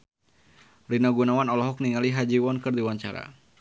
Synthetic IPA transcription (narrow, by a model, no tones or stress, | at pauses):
linaɡunawanɔlɔɦɔk̚niŋaliɦad͡ʒiwɔnkɨrdiwaɲt͡ʃa̰ɾa̰